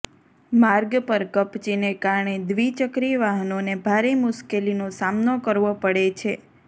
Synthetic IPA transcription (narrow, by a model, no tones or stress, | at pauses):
maɾɡpəɾkəpt͡ʃinekaɾɳed̪ʋit͡ʃəkɾiʋaɦnonebʱaɾemʊʃkelinosamnokəɾʋopəɽet͡ʃʰe